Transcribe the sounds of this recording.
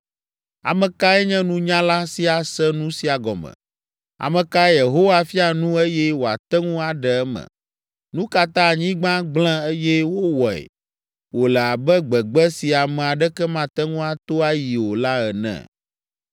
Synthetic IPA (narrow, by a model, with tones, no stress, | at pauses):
a̰˨mɛ̃˨ka˦ɛ˦ɲɛ̃˦nũ˦ɲã˦la˦si˦a˨sɛ˦nũ˦si˦a˨ɡɔ˨mɛ̰̃˨ | a̰˨mɛ̃˨ka˦je˨ɦo˦wa˦fi˦a˨nũ˦e˦jɛ˦wo˨a̰˨t̪ɛ˦ŋũ˦a˨ɖɛ˨ɛ˦mɛ̰̃˨ | nũ˦ka˨t̪ã˦˨ɲĩ˦ɡ͡bã˦ɡ͡bl̃ɛ̃˦e˦jɛ˦wo˦wɔ˨ɛ̰˨ | wo˨lɛ˨a˨bɛ˦ɡ͡bɛ˨ɡ͡bɛ˦si˨a˨mɛ̃˨a˨ɖɛ˦kɛ˦mã˦t̪ɛ˦ŋũ˦a˨t̪o˦a˦ji˨wo˨la˦ɛ˨nɛ̰̃˨